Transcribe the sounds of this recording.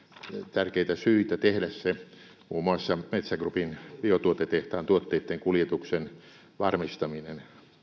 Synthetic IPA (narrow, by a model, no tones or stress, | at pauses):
t̪ærkeit̪æsyit̪æt̪ehdæsse | muːmoɑsːɑmet̪sæɡrupinb̥iot̪uot̪et̪eht̪ɑːnt̪uot̪ːeit̪ːeŋkuljet̪uksen | ʋɑrmist̪ɑminen